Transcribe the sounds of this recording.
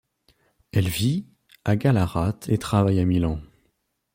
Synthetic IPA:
ɛlvi | aɡalaʁat̪ʰet̪χavajamilɑ̃

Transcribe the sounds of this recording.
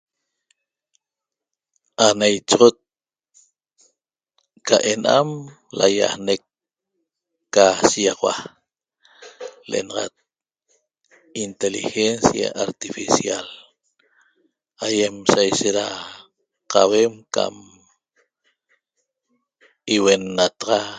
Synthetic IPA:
anajt͡ʃʁot̪̚ | kaʔenam | la̰ja̰hnek | asijɑʁwa | leḛnɑʁɑt̪̚ | int̪elixensja̰ʔaɾt̪ifisial | ajemsajʃeɾa | qawemka̰m | iwenːat̪ɑʁɑ

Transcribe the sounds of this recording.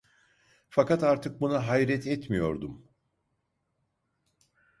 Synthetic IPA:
fakat̪aɾt̪ʰɯk̚bunaɦajɾɛt̪ʰɛt̪mijo̞ɾd̪um

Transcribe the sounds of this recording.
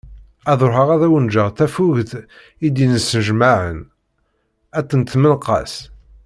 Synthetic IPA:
æðˤoɾɦəʁæðæwənd͡ʒəʁθæfuʝθ | id̪inəsnəʒmaʕə̰n | æt̪ːənt̪mənqɑ̰s

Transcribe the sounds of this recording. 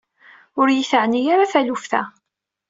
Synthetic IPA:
ʊɾjiθəʕnijaɾaθælufθæ̰

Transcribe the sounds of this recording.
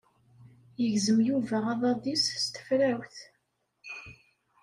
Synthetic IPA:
jəʝzəmjuvæʁɑðˤɑðˤisst̪ə̥fɾæwθ

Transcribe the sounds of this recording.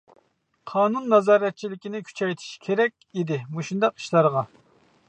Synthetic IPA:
qʰɑːnunːɑzɑːɾɛt̪̚t͡ʃʰilɪkʲinɪkʲʰy̥t͡ʃʰɛjt̪ʰi̥ʃkʲʰeɾɛkʲid̪ɪmuʃund̪ɑqi̥ʃlˠɑɾʁɑ

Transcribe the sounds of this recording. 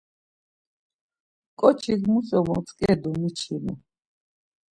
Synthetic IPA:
kʼɔt͡ʃʰiɡmusɔmɔt͡sʼkʼɛd̪umit͡ʃʰinṵ

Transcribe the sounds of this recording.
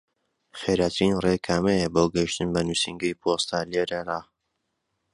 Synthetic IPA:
xeɾat̪ʰɾinrekʰaːmejɛboːɡɐjiʃt̪ɨnbɐnusiŋɡɐjpʰost̪aleɾɐɾaː

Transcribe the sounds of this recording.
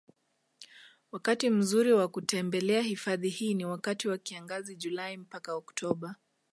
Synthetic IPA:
wakatim̩zuɾiwakutɛmbɛlɛahifaðihiːniwakatiwakiaŋɡaziʄulaim̩pakaɔktʰɔɓa

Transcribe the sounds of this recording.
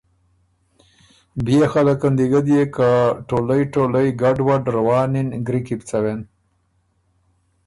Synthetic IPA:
bjexalakand̪iɡad̪jekaʈolajʈolajɡaɖwaɖɾawɑːninɡɾikipt͡sawen

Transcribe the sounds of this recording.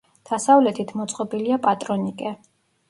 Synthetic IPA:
d̪̥asavlɛt̪ʰit̪ʰmɔt̪sʼqʼɔbiliapʼat̪ʼɾɔnikʼɛ

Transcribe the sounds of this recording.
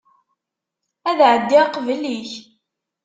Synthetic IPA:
æðʕəd̪ːiqvəliç

